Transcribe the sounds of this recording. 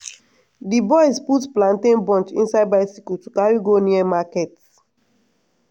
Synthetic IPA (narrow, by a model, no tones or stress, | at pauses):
dibɔɪsputplãntẽnbɔ̃nt͡ʃḭ̃nsaɪd̚baɪsikultukaɹiɡoniɛmakɛt